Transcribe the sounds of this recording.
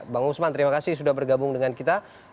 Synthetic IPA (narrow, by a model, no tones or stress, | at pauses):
baŋusmant̪əɾimakasis̬udahbərɡabʊŋdəŋankit̪a